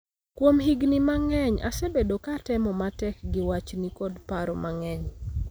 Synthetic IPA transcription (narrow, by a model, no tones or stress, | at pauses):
kwomɦiɡnimaŋɛɲa̰sebedokatɛmɔmatɛkɡɪwat͡ʃnikodpaɾɔmʔaŋɛɲ